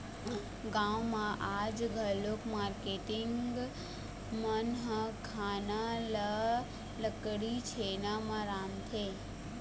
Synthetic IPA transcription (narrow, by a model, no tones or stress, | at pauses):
ɡãːwmãʔaːd͡ʒɡʱəlokmaːɾkeːʈɪŋɡ | mənɦəkʰaːnalə | ləkɽit͡ʃʰenamãɾaːmt̪ʰeː